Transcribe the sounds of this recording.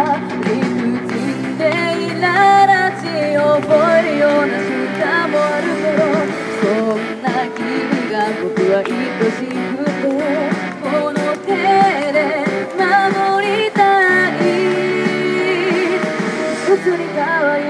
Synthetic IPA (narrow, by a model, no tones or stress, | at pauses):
lihɯd͡ʑi | nd̪einaɾat͡ɕioboeɾɯjonaɕikamoaɾɯt̪eɾo | konːakʲimiɡakok̪ɯβaʔikoɕikɯt̪o | konot̪eɾemamoɾʲit̪aɲi | ɯsɨɾikaβa